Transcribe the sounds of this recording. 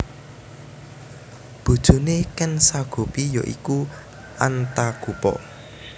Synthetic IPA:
b̥ṳd̥ʒ̥ṳnekɛnsaɡ̥o̤pijo̰ʔḭku | ʔant̪aɡ̥upɔ̰ʔ

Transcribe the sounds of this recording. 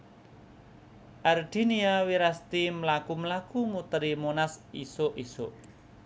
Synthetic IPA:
ʔard̪̥i̤niawiɾast̪imlakumlakumut̪ɾimonasisoʔisoʔ

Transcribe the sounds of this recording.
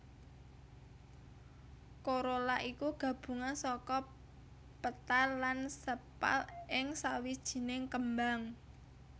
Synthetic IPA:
koɾolaʔikuɡ̥ä̤b̥ṳŋansɔkɔ | pət̪alːansəpa̰lɪŋsawid̥ʒ̥i̤nɪŋkəmbaŋ

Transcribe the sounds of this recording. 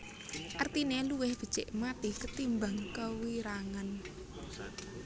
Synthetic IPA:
ʔart̪ineluwɪhb̥ə̤̥t͡ʃɛʔmat̪ikət̪imbaŋkəwiɾaŋan

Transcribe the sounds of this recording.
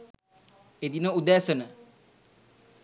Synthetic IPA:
ed̪inəud̪æːsənə

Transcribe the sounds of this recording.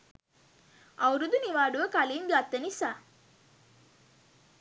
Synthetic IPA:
ɐwɾud̪uniʋaːɖuʋəkaliːnɡat̪ːənisaː

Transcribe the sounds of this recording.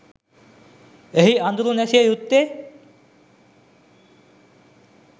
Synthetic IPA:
eɦiand̪uɾunɛsiajut̪ːe

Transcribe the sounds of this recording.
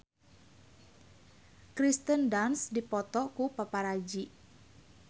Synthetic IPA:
kɾist̪əndansdipɔt̪ɔkupapaɾad͡ʒiʔ

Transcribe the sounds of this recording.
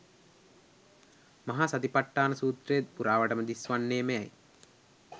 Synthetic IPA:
maɦasɐt̪ipaʈːaːnəsuːt̪rejt̪̚puɾaːʋəʈəməd̪isʋanːeːməɛ̰j

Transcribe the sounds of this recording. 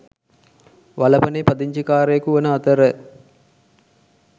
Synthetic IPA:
ʋalɐpɐnepɐd̪iɲt͡ʃikaːɾejəkuʋɐnəat̪əɾə

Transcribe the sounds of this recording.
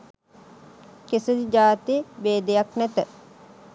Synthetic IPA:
kesəd̪id͡ʒaːt̪eebeːd̪ejaknɛt̪ə

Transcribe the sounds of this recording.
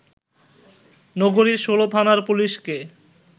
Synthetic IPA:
nɔɡoɾiʃolot̪ʰanaɾpuliʃke

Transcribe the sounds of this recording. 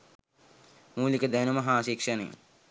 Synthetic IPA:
muːlikəd̪ænumɐɦaːʃikʂɐnḛ

